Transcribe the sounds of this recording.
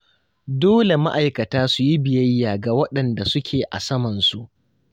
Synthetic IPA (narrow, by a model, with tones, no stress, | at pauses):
doː˦le˨ma̰˦ʔa˨jkɐ˨taː˦su˨ji˦bɪ˨jɐ˦jːaː˨ɡa˨wɐ˦ɗɐ˨nda˨sʊ˦kʲʰeː˨ʔa̰˨sɐ˦mɐ˨nsu˨ʔ